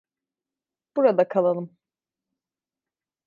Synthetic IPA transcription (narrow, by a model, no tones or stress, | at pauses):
b̥uɾad̪akʰalˠalˠɯm